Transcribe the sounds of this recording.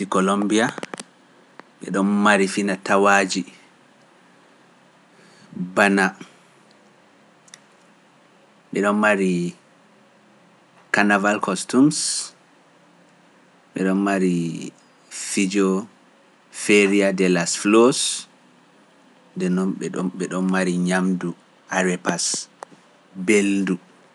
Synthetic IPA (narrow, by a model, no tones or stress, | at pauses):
tikɔlombia | ɓɛɗɔnmaɾifinatawad͡ʒi | bana | ɓɛɗɔnmaɾi | kanavalkʰɔstums | ɓɛɗɔnmaɾi | fid͡ʒɔ | feɾiadɛlasflos | ndɛnɔnɓɛɗɔɓɛɗɔnmaɾiɲamdu | ʔaɾɛpas | beldu